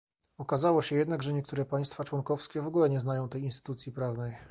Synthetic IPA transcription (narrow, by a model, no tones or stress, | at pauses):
ɔkazawɔɕɛjɛd̪naɡʐɛɲɛk̚t̪uɾɛpaj̃st̪fat͡ʂwɔŋkɔfskʲɛvɔɡulɛɲɛznajɔ̃w̃t̪ɛjinst̪ɘ̥t̪ut̪sʲjipɾavnɛj